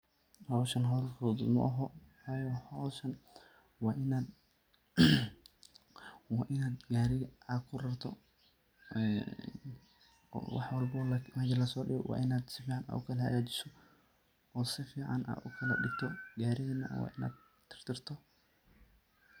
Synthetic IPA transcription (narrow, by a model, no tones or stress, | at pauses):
hɔːʃɐnɦɔːlkʰɔːðʊ̰mʊ̰ʔɐɦɔwɑːjɔhɔːʃɐn | wɑːʔɪnaːd̪̚ | wɑːʔɪnaːd̪ɡaːɾɪʔaːkʰʊrɐrt̪ʰɔ | ɛ | wɑ̰ħwɑlbɔmɐɡɐlɐsɔːɖɪɣɔwɑ̰ːʔɪnaːd̪sɪfiːʕɑna̰ːʊkʰɐlɐhɐɣaːt͡ʃɪ̥sɔ | ɔːsɪfiːʕɑna̰ːd̪ʊkʰɐlɐ̰ɗɪɡ̚t̪ʰɔɡaːɾɪɣɐnɐ̰wɑ̰ːʔɪna̰ːd̪̚ | t̪ʰɪ̥r̥t̪ʰɪrt̪ʰɔ